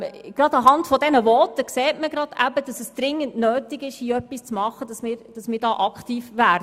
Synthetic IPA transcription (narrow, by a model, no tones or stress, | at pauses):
ɡ̥ɾɑd̪ɑɦɑntfɔdɛnəʋɔtəkseːtməɡɾɑd̥æbədɑsəsd̥ɾɪŋːənnøːtiɡɪʃiœpːist͡smɑχːəd̥ɑsmɪːɾd̥ɑsmɪːɾdɑːʔɑkχtiːfʋæːɾdə